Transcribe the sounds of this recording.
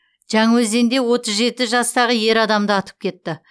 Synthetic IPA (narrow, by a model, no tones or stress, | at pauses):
ʒ̥æŋwɵze̞nd̪e̞wo̞t̪əzʒe̞t̪ɪʒɑst̪ɑʁəje̞ɾɑd̪ɑmd̪əɑt̪ə̥p̚kʲʰe̞t̪ːɪ